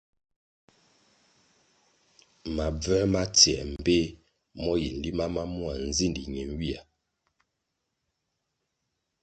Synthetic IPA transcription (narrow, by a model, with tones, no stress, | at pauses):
ma˨b͡vɛ˦ma˦tjɛ˨m̩˨be˦ | mɔ˦ji˨n̩˨li˦ma˦ma˦mu˦a˨n̩˨zi˦ndi˨ɲe˨ŋ˦wi˦a˨